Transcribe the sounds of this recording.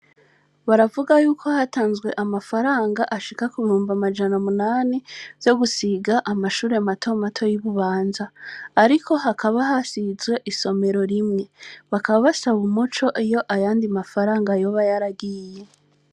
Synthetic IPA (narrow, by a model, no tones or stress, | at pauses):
βaɾavuɡajuːkʰo̞hataːnzɡwe̞ʔamafaɾaːŋɡaʔaʃikakuβihuːmvamad͡ʒanamunaːnivjo̞ɡusiɡaʔamaʃuːɾe̞matʰo̞matʰo̞jiβuβaːnzaːɾikʰo̞ɦakʰaβaɦasizɡwe̞ʔiso̞me̞ɾo̞ɾimŋe̞βakaβaβasaβumut͡ʃo̞ʔijo̞ʔajaːndimafaɾaːŋɡajo̞βajaɾaɡije̞